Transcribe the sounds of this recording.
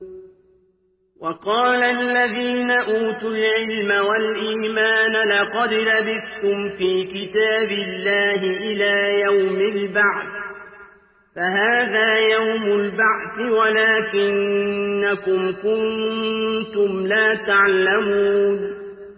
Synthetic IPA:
wʔɑqɑːlalːaðiːnaʔuːt̪ʊlʕɪlmawalʔiːmaːnalɑqɑd̪labɪθt̪ʊmfiːkɪt̪aːbɪlːaːɦɪʔɪlaːjawmɪlbaʕθ | faɦaːðaːjawmʊlbaʕθɪwalaːkɪnːakʊmkʊn | t̪ʊmlaːt̪aʕlamuːn

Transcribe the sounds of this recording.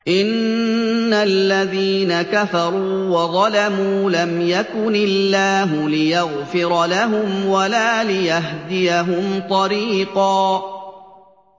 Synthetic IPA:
ʔɪnː | alːaðiːnakafɑɾˤuːwɑðˤɑlamuːlamjakʊnɪlːaːɦʊlɪjɑɣfɪɾlaɦʊmwalaːlɪjaɦd̪ɪjaɦʊmt̪ˤɑɾiːqɑː

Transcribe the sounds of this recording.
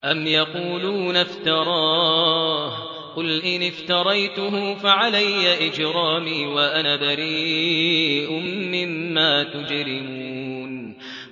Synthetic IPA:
ʔamjɑquːluːnaft̪ɑɾˤɑː | h | qʊlʔɪnɪft̪ɑɾˤɑjt̪ʊɦʊfaʕalajːaʔɪd͡ʒɾɑːmiːwaʔanaːbaɾiː | ʔʊmːɪmːaːt̪ʊd͡ʒɾɪmuːn

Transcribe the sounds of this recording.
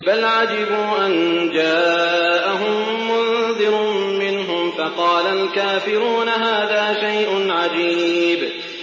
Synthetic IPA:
balʕad͡ʒɪbuːʔand͡ʒaːʔaɦʊmːʊnðɪɾmɪnɦʊmfɑqɑːlalkaːfɪɾuːnaɦaːðaːʃajʔʊnʕad͡ʒiːb

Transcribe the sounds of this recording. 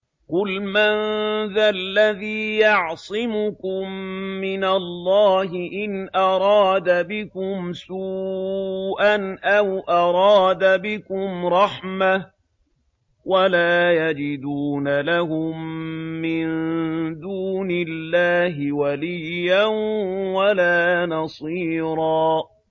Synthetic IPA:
qʊlmanðalːaðiːjɑʕsˤɪmʊkʊmːɪnalːɑːɦɪʔɪnʔɑɾˤɑːd̪abɪkʊmsuː | ʔanʔawʔɑɾˤɑːd̪abɪkʊmɾˤɑħma | walaːjad͡ʒɪd̪uːnalaɦʊmːɪnd̪uːnɪlːaːɦɪwalijːanwalaːnɑsˤiːɾˤɑː

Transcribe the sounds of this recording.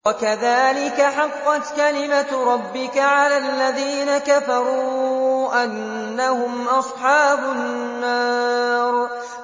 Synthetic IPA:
wakaðaːlɪkaħɑqːɑt̪kalɪmaɾˤɑbːɪkaʕalaːlːaðiːnakafɑɾˤuːʔanː | ahʊmʔɑsˤħɑːbʊːɑːɾˤ

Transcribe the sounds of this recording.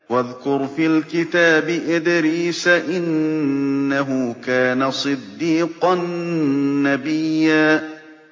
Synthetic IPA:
waðkʊɾfiːlkɪt̪aːbɪʔɪd̪ɪɾiːsaʔɪnː | aɦʊkaːnasˤɨd̪ːiːqɑnː | abɪjːaː

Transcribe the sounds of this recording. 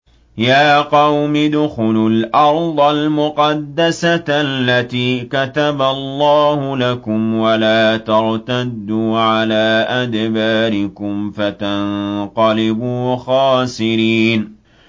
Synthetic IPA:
jaːqɑwmɪd̪ʊxʊlʊlʔɑɾˤd̪ˤɑlmʊqɑd̪ːasalːat̪iːkat̪abalˤːɑːhʊlakʊmwalaːt̪ɑɾt̪ad̪ːuːʕalaːʔad̪baːɾɪkʊmfat̪annqɑlɪbuːxɑːsɪɾiːn

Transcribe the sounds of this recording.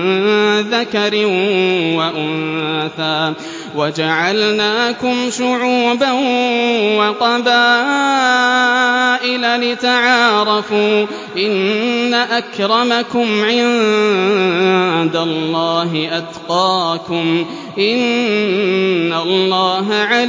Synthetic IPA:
ðakaɾɪwaʔʊnθaː | wad͡ʒaʕalnaːkʊmʃʊʕuːban | wɑqɑbaː | ʔɪlalɪt̪aʕaːɾˤɑfuː | ʔɪnːaʔakɾˤɑmakʊmʕɪn | d̪alːɑːɦɪʔad̪qɑːkʊm | ʔɪn | alˤːɑːɦaʕal

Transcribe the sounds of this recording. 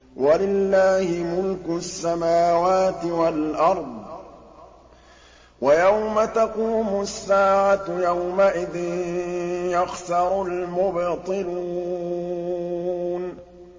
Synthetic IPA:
walɪlːaːhɪmʊlkʊsːamaːwaːt̪ɪwalʔɑɾˤd̪ˤ | wajawmat̪aquːmʊsːaːʕajawmaʔɪðɪn | jaxsɑɾˤʊlmʊbt̪ˤɨluː | n

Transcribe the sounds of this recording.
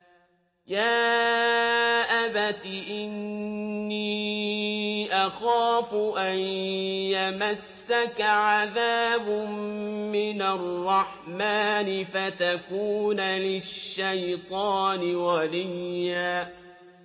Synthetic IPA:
jaː | ʔabat̪iʔɪnː | iː | ʔaxaːfʊʔanjamasːakaʕaðaːb | mɪnarˤːɑħmaːnɪfat̪akuːnalɪʃːajt̪ˤɑːnɪwalɪjːaː

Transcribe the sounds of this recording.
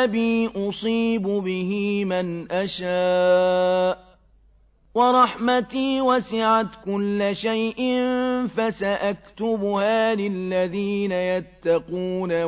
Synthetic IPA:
abiːʔʊsˤiːbʊbɪhɪmanʔaʃaː | ʔ | wɑɾˤɑħmat̪iːwasɪʕat̪kʊlːaʃajʔɪnfasaʔakt̪ʊbʊhaːlɪlːaðiːnajat̪ːɑquːna

